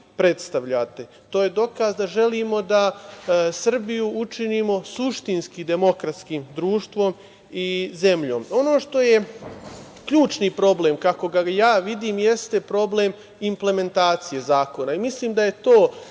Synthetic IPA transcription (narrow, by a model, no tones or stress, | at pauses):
pɾe̞t̪st̪aʋʎat̪e̞ | t̪o̞ːje̞d̪o̞kazd̪aʒe̞limo̞d̪a | sr̩bijuut͡ʃiniːmo̞suʃt̪inskid̪e̞mo̞kɾat̪skiːmd̪ɾuːʃt̪ʋo̞m | ize̞mʎo̞̰ːmo̞no̞ːʃt̪o̞je̞ | kʎuːt͡ʃnipɾo̞ble̞ːmkako̞ɡajaːʋid̪iːmje̞st̪e̞pɾo̞blem | imple̞me̞nt̪aːt̪sije̞zaːko̞naimisliːmd̪aje̞t̪o̞ː